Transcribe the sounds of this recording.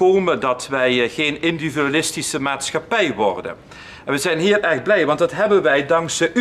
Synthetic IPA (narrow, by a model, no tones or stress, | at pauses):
owməndɑtʋɛjχejnɪndividalɪstisəmaːtsχɑpɛjʋɔ̰rdə̰n | ɛnʋəzɛjnɦiːrɛɹχ̚blɛjʋɑntdɑtɦɛbənʋɛjdɑŋksdəʔ